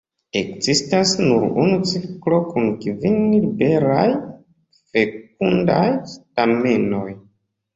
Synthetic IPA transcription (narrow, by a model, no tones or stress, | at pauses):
e̞kzistasnuɾṵnut͡siklo̞kunkvinlibe̞ɾaj | fe̞k̚undajstame̞no̞j